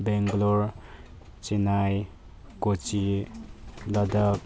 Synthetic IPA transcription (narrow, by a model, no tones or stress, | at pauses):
beŋɡloɾ | t͡ʃenaj | kot͡ʃi | lʌd̪ək̚